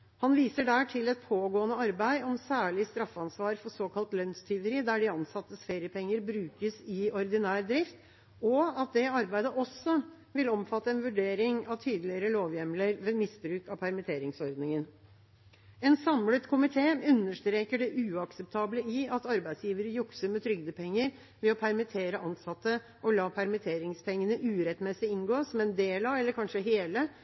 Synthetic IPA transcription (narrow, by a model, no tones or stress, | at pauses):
hɑnʋiːsəɖæːʈʰɪlɛt̪̚pʰoːɡoːənəɑɾbæɪɔmsæːɭɪst̪ɾɑfːɑnsʋɑːɾfɔsoːkʰɑlt̪lœnst̪ʰʏʋəɾɪd̪æɖɪɑnsɑt̪ːəsfeːɾjəpʰɛŋːəɾbɾʉːkəsɪɔɾd̪ɪnæːɾd̪ɾɪft̪ | ɔɑt̪̚d̪ɛɑɾbæɪd̪əʔɔsːɔ | ʋɪlɔmfɑt̪ːəɛnʋʉɖeːɾɪŋɑʋt̪ʰyːd̪əlɪəɾəloːʋjɛmləɾʋɛmɪsbɾʉːkɑpʰæɾmɪt̪ʰeːɾɪŋsɔɾd̪nɪŋən | ɛnsɑmlət̪kʰʊmɪt̪ʰeːʉnːəʂt̪ɾeːkəɖɛʔʉːɑksɛp̚t̪ʰɑːbləɪɑt̪ɑɾbæɪsjiːʋəɾəjʊksəɾmɛt̪ʰɾʏɡd̪əpʰɛŋːəɾ | ʋɛɔpʰæɾmɪt̪ʰeːɾəʔɑnsɑt̪ːə | ʔɔlɑːpʰæɾmɪt̪ʰeːɾɪŋspɛŋːənəʔʉːɾɛt̪mɛsɪɪnɡoːsɔmɛnd̪eːlɑɛlːəɾkʰɑnʂəɦeːlə